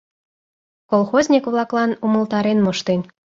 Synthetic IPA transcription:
kolˠxozʲnʲikβlɑklɑnumə̆lt̪ɑɾenmoʃt̪en

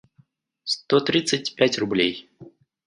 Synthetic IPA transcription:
st̪ot̪ɾʲit̪sɨt̚ʲpʲætʲrʊblʲej

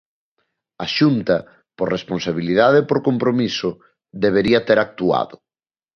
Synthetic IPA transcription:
ɐʃunt̪ɐ | poɾrʔesponsaβ̞iliðaðepoɾkompɾomisʊ | ðeβ̞eɾiɐt̪eɾak̚t̪ua̰ðʊ

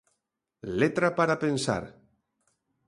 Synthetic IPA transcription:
let̪ɾapaɾapensa̰ɾ

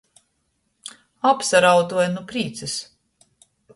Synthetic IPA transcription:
apsaɾawt̪uɔjnupɾiːt̪sɨs

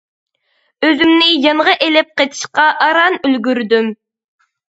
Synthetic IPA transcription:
øzymnɪjɑɴəʁɑʔelɪp̚qet̪ʰi̥ʃqɑʔːɾɑnylɡʲyɾd̪ym

